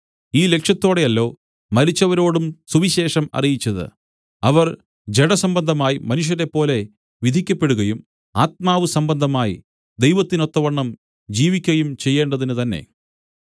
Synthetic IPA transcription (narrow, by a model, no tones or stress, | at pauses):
iːle̞kʂjɐt̪ːo̞ːɽe̞jɐlːo̞ː | mɐɾit͡ɕːɐʋɐɾo̞ːɽumsuʋiɕe̞ːʂɐmɐ̰rijit͡ɕːɐðɨ̰ | ɐʋɐr | d͡ʑe̞ɽɐsɐmbɐnd̪ʱɐmaːjimɐnuʂ̬jɐɾe̞pːo̞ːle̞ | ʋid̪ʱikʲːɐpːe̞ɽuɣɐjum | aːt̪̚maːʋɨsɐmbɐnd̪ʱɐmaːjḭ | d̪e̞jʋɐt̪ːino̞t̪ːɐʋɐɳːɐm | d͡ʑiːʋikʲːɐjumt͡ɕe̞jːe̞ːɳɖɐðinɨt̪ɐnːe̞̰